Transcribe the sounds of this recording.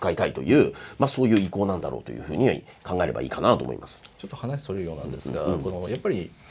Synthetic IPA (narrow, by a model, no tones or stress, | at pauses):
ɨ̥kait̪ait̪o̞̰jɯ̟ːmaso̞ːjɯ̟ːiko̞ːnãnd̪a̰ɾʔo̞̰ːt̪o̞̰jɯ̟ːɸɯ̟ːɲ̟i | kãŋɡae̞ɾe̞ba̰ḭːkanat̪o̞ːmo̞̰ḭmʔasɨ̥t͡ɕot̪ːo̞hanaɕi̥soɾeɾɯjoːnã̰nd̪esɨɡakonojapːaɾʲi